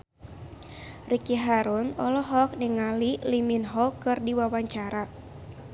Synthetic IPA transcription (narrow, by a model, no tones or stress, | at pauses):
rikiɦaɾunɔlɔɦɔk̚niŋaliliminɦɔkɨrdiwawaɲt͡ʃaɾa